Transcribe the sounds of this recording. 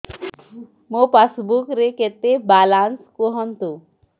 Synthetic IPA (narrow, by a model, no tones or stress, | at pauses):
mopasbukɾeket̪ebalanskoɦɔnt̪u